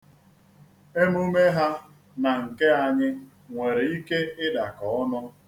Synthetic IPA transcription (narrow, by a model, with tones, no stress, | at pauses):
e˦mu˦me˦ɦa˦ | na˨ŋ̩˨ke˦a˦ɲɪ˦ | ŋʷe˨ɾe˨i˦ke˦ɪ˦da˨kɔ˨ɔ˦nɔ˦